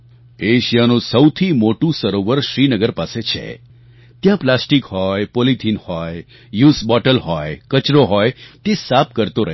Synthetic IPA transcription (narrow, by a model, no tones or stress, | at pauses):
eʃijanũsəwt̪ʰimoʈũsəɾoʋəɾʃɾinəɡəɾpaset͡ʃʰḛ | t̪jãplasʈikhɔjpolit̪ʰinhɔj | jusbɔʈəlɦɔjkət͡ʃɾoɦɔjt̪esap̚kəɾt̪oɾəɦ